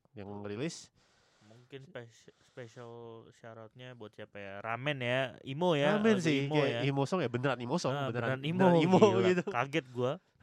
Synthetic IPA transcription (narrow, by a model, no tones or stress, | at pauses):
jaŋrilɪs | muŋkɪnsspeʃalʃaɾat̪̚ɲabuat̪siapajaɾamɛnjaimojaamɛns̬ɪhmkaaaimosɔŋjabənəɾanimosɔŋbənəɾadanimoimoɡit̪ukaɡɛt̪̚ɡua